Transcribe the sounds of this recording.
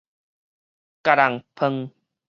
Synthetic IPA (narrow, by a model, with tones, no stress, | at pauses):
ka˨ɾa˨ŋpʰə˧ŋ